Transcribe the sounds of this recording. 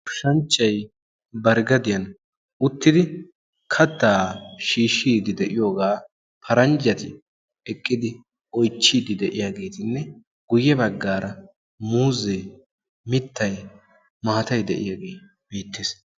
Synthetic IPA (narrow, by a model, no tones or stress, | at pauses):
ʃɐnt͡ʃʼːɐj | bɐɾɡɐd̪ɪjɐn | ʊt̪ːɪd̪ɪ | kʰɐt̪ːaːʃiːʃːiːd̪ɪd̪ɛʔɪjo̞ːɡaː | pʰɐɾɐnd͡ʒɐt̪ɪ | ɛkʼːɪd̪ɪ | ʔɔjt͡ʃːiːd̪ɪd̪ɛʔɪjaːɡe̞ːt̪ɪnːɛ | ɡ̥ʊjːɛbɐɡːaːɾɐ | muːze | mɪt̪ʰːɐj | maːt̪ɐjd̪ɛʔɪ̰jaːɡe̞ː | b̥eːt̪ːeːs